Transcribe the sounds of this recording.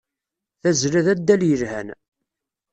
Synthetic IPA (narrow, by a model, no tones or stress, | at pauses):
θæzlæðæd̪ːæljəɾhæ̰n